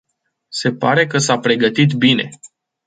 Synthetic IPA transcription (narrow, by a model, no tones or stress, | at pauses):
se̞paɾe̞kəsapɾe̞ɡət̪it̪bine̞